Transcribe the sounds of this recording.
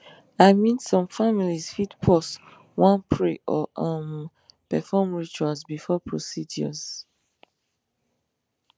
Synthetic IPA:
aɪmĩnsɔ̃mfamilizfitpʰɔs | wãnpʰɹeʔɔʔə̃m | pɛfɔmɹit͡ʃualzbifɔpʰɹosidjɔ̰z

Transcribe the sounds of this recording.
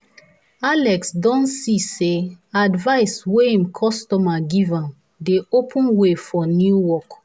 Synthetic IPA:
alɛksdɔ̃nsiseadvaɪsweĩmkʰɔstɔmaɡivãm | deopʰũnwefɔnjuwɔk

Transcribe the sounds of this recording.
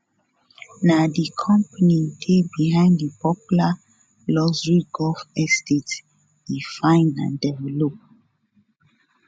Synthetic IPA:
nadikʰɔ̃mpanidʰebiɦãɪ̃ndipʰɔpula | lɔzɹiɡɔlfɛstet | difãɪ̃nã̰ndɛvɛlop̚

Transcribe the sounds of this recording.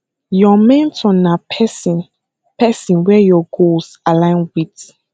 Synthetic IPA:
jɔmɛ̃ntʰɔ̃napʰɛsĩn | pɛsĩnwɛjɔɡols | alãɪ̃nwid

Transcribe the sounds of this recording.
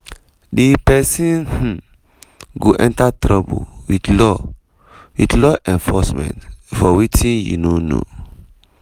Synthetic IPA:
dipɛsĩnh̩ | ɡoʔɛ̃ntatɾɔbṵwidlɔ | widlɔʔɛ̃ɱfɔsmɛ̰̃ntfɔwitĩnjṵnono̰

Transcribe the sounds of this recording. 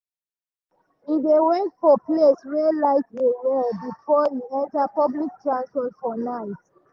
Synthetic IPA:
idewɛ̃tfɔpleswɛlaɪtewɛlbifɔiɛ̃ntapɔblik̚tɹãnsfɔtfɔnaɪt

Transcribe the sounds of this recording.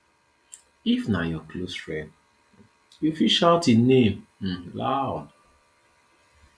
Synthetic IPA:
ifnajɔklosfɹɛ̃nd | jufiʃaʊtinem̩laʊd

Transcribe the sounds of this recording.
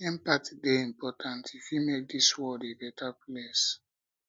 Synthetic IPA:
ɛ̃mpatdeĩmpɔtʰãntʰifjimek̚diswɔdebɛtʰaples

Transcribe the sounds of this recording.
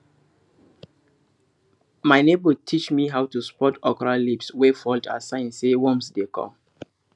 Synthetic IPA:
maɪnebətʰit͡ʃmiɦawtuspɔtɔkɔɹalipswefɔlta̰sãɪ̃nsewɔ̃msdekʰɔ̰̃m

